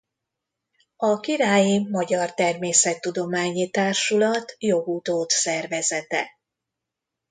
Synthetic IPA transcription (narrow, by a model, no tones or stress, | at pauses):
ɒkiɾaːjimɒɟɒrt̪ɛrmeːsɛt̪ːud̪o̞maːɲit̪aːrʃulɒt̪jo̞ɡut̪oːt̪sɛrvɛzɛt̪ɛ̰